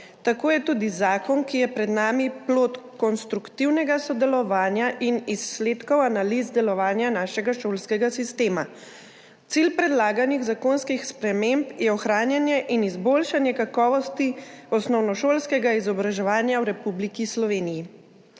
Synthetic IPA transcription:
t̪akoːjɛt̪uːd̪izaːkɔnkijɛpɾɛd̪naːmiploːt̪kɔnst̪ɾukt̪iwnɛɡasɔd̪ɛlɔʋaːnjaʔinisːleːt̪kɔwanaliːzd̪ɛlɔʋaːnjanaːʃɛɡaʃoːlskɛɡasist̪eːma | t̪silpɾɛd̪laːɡaniɣzakoːnskixspɾɛmempjɛɔxɾaːnjanjɛʔinizbolʃanjɛkakɔːʋɔst̪iɔsnɔwnɔʃoːlskɛɡaizɔbɾaʒɛʋaːnjawɾɛpublikislɔʋeːniji

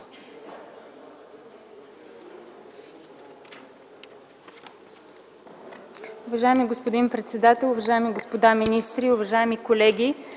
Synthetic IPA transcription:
ʊvɐʒaɛmiɡospod̪inpɾɛt̪sɛd̪at̪ɛlˠʊvɐʒaɛmiɡospod̪aminist̪ɾiʊvɐʒaɛmikolɛɡʲi

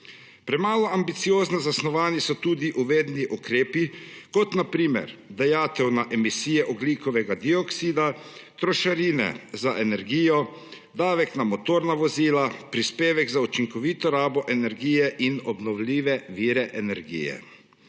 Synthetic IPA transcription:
pɾɛmaːlɔambit̪sijoːznazasnɔʋaːnisɔt̪uːd̪iʔuʋeːd̪niʔukɾeːpikɔt̪napɾiːmɛ̰ɾd̪ajaːt̪ɛwnaʔɛmisiːjɛʔɔbliːkɔʋɛɡad̪iɔksiːd̪at̪ɾɔʃaɾiːnɛ̰zaʔɛnɛɾɡiːjɔ | d̪aːʋɛknamɔt̪oːɾnaʋɔziːlapɾispeːʋɛɡzaut͡ʃiŋkɔʋiːt̪ɔɾaːbɔʔɛnɛɾɡiːjɛʔinɔbnɔwliːʋɛʋiːɾɛʔɛnɛɾɡḭːjɛ̰

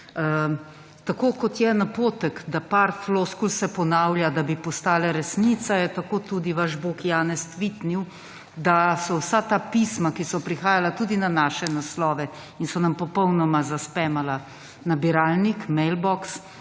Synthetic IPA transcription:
t̪akoːkɔt̪jɛnapoːt̪əkd̪apaɾfloskulsɛpɔnawlʲjad̪abipɔst̪aːlɛɾɛsnit̪sajɛt̪akoːt̪ud̪iʋaʒbokjaːnɛst̪ʋiːt̪niw | d̪asɔwsat̪apismakisɔpɾixaːjalat̪ud̪inanaːʃɛnaslɔːʋɛ | insɔnampɔpɔwnɔmazaspɛmala | nabiɾaːlnikmɛjlbɔks

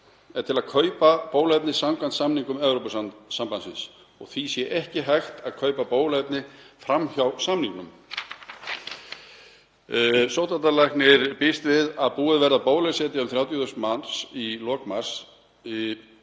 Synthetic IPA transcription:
ɛt̪ʰɪlaðkʰœːɥpapoːwlɛp̪nɪsamkʰvant̪samniŋkʏmɛvɾowpassampansɪ̰ns | ɔ̰ɣθisjɛʔɛhcɪɦajxt̪aðkʰœɥpapoːwlɛpnɪfɾamçawsamniŋknʏm | sɔwht̪ant̪alajknɪɾpɪst̪vɪðaðpuːɪðvɛɾðapoːwlɛsɛːt̪ɪʏmθɾaːwt̪jʏθʏst̪mansilɔːkmaɾ̥s

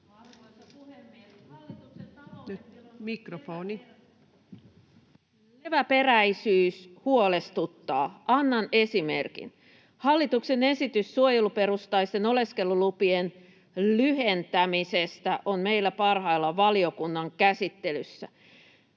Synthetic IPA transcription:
nymikrofoːni | leʋæpe̞ræisyːshuo̞le̞st̪ut̪ːɑːɑnːɑne̞sime̞̰rkḭn | hɑlːit̪ukse̞ne̞sit̪ysːuojelupe̞ɾust̪ɑjst̪eno̞le̞ske̞lːulupien | lyɦe̞nt̪æmise̞st̪æʔo̞nme̞ilːæpɑrhɑjlːɑʋɑlio̞kunːɑŋkæsit̪ːe̞lysːæ̰

